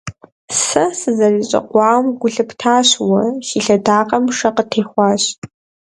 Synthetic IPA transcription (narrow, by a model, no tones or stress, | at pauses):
sɐsɨzɐriɕʼɐ̰qʷɑːmɡʷʊɬɨpʰtʰaːɕwɐʃiːɬɐdaːqʼɐmʂɐqətʰeːχʷɑːɕ